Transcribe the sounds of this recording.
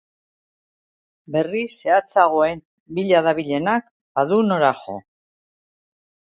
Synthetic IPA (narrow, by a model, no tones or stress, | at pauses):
be̞rise̞at͡saɣ̞o̞e̞n | biʎaðaβiʎe̞nak̚ | baðuno̞ɾaxo̞̰